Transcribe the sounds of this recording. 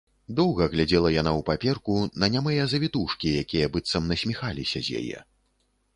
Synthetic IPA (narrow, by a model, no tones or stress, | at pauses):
d̪ɔwɣɐɣlʲad͡zʲɛlˠɐjanawpapʲɛrkunɐnʲamɨjɐzɐvʲit̪uʂkʲijakʲijɐbɨt̪sɐmnɐsʲmʲixalʲisʲɐzʲja̰jɛ̰